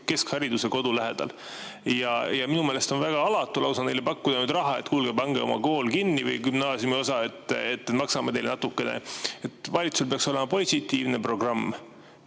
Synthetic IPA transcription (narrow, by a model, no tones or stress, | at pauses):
ke̞skhɑɾid̪̥use̞ko̞d̪ulæɦe̞d̪̥ɑ̰l | jɑjɑminumeːlest̪o̞nvæɡ̥ɑɑlɑt̪ːˑulɑwsɑnejlepɑkːud̪̥ɑnyːd̪rɑɦɑe̞t̪kulɡ̥ebɑŋɡ̥eo̞̰mɑ̰ko̞ːlkinːivɯ̰jkymnɑːsiumio̞sɑe̞t̪ːˑet̪ːet̪mɑksɑmed̪e̞jlnɑt̪ːukːˑe̞nḛet̪ːˑvɑlʲit̪suslpe̞ɑkso̞le̞mɑpo̞sit̪ːiːvne̞pro̞ɡ̥rɑmː